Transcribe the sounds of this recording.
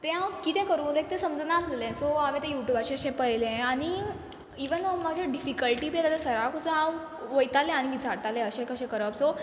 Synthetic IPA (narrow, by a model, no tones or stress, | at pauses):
t̪ɛ̃ɦãwkit̪ɛ̃kəɾũt̪ẽk̚t̪ɛ̃səmd͡znad͡z̪ʱalẽsoaʋẽt̪ɛ̃juʈjubat͡ɕiəɕɛ̃pəjlẽañi | iʋənmad͡ʑʱjaɖifikəlʈiːbiet̪alasəɾakusəãw | ʋəjt̪alɛ̃aɽ̃iʋid͡zʱaɽt̪alɛ̃əɕɛ̃kəɕɛ̃kəɾəpso